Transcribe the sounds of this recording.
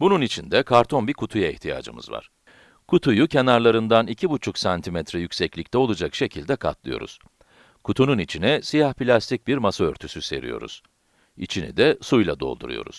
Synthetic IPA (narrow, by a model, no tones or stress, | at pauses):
bununit͡ʃʰind̪ɛkʰaɾt̪ʰo̞nbiɾkʰut̪ʰujaɛht̪ʰija̰ːd͡ʒɯ̰mɯ̰zva̰ɾ̥ | kʰut̪ʰujucʰe̞naɾlˠaɾɯnd̪anicʰibut͡ʃʰuksant̪ʰimɛt̪ʰɾɛjycʲsɛclʲic̚t̪ʰɛo̞lˠad͡ʒakʃe̞cʰilʲd̪ɛkʰa̰t̪lˠɯjo̞ɾṵz̥ | kʰut̪ʰununit͡ʃʰinɛsijahpilʲast̪ʰic̚biɾmasaøɾt̪ʰysyse̞̰ɾḭjo̞̰ɾṵz̥ | ḭt͡ʃʰinḭd̪ɛsujlˠa̰d̪o̞̰lˠd̪ṵɾṵjo̞̰ɾṵz̥